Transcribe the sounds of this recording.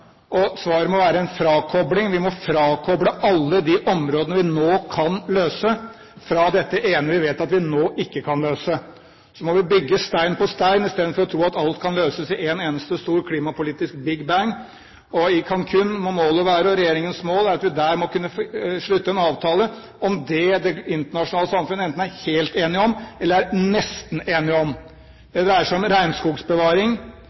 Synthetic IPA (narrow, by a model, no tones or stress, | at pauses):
ɔsʋɑːɾəmɔʋæːɾəɛnfɾɑːkʰɔblɪŋʋɪmɔfɾɑːkʰɔbɽəʔɑlːəd̪iʔɔmɾoːd̪ənəʋɪnoːkʰɑnløːsə | fɾɑd̪ɛt̪ːəʔeːnəʋɪʋeːt̪ɑt̪ʋɪnoːʔɪkːəkʰɑnløːsə | sɔmɔʋɪbʏɡːəst̪æɪnpʰɔst̪æɪnɪst̪eːd̪nfɔɾɔt̪ʰɾuːɑt̪ɑlt̪kʰɑnløːsəsɪʔeːneːnəst̪əst̪uːɾkʰliːmɑpʊliːt̪ɪsk̚bɪɡbæŋ | ɔɪkʰɑnkʰʉnːmɔmoːləʋæːɾəɔɾɛjeːɾɪŋənsmoːlæɾɑt̪ʋɪd̪æːɾmɔkʉnːəʂɭʉt̪ːəɛnɑːʋt̪ʰɑːlə | ɔmd̪ɛd̪ɛɪnt̪əɳɑʂʊnɑːləsɑmfʉnəɛnt̪n̩æɾheːlt̪eːnɪɔmɛlːəɾæɾnɛst̪n̩eːnɪɔm | d̪ɛd̪ɛæʂæɔmɾæɪnskuːɡsbəʋɑːɾɪŋ